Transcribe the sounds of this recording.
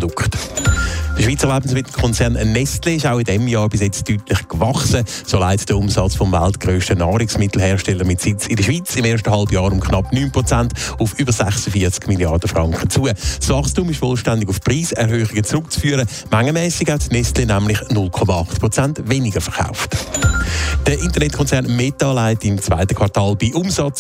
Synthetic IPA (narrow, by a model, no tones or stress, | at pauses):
dʊkχt | d̥əʃviːt͡səʁlabn̩svɪtəkʰɔnt͡sɛʁnnːɛstleɪʃaʊɪdɛmjɑːɾbɪsjɛt͡styːtlɪχkvɑχsə | soːlaɪtd̥əʊmsɑt͡sfɔmva̰ltɡ̥ʁøːʃtənɑːɾɪksmɪtl̩ɦɛːʁʃtɛlːəɾmɪtsɪt͡sɪdəʃv̥iːt͡sɪmeːɐʃtəɦɑlbjɑːɾʊmkʰχnɑpnyːnpʁɔt͡santʊfyːbəɾsɛχsəfiɐt͡skmiljɑrd̥əfʁɑŋkχət͡suəsvɑχstumɪʃfɔlʃtandɪɡʊfpʁiːsɛɾɦøːχɪɡət͡sʁʊkt͡sfyːəɾə | maŋːəmɛːsɪkhɛtnɛstlenæmlɪχnʊlkʰɔmɑɑχtpʁɔt͡santvenɪɡəfɛχa̰ʊft | d̥əʔɪntəʁnɛt̚kʰɔnt͡sɛʁnmetɑlaɪtɪmt͡sva̰ɪtəkʰvɑʁtɑːlbiʔʊmsɑt͡s